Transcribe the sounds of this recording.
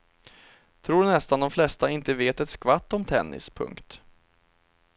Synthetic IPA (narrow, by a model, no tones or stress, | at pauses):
t̪ʰɾuːdnɛst̪and̪ɔmflɛst̪aɪnt̪əveːt̪ɛt̪skvat̪ːɔmt̪ʰɛnːɪ̰spʰɵ̰ŋkt̪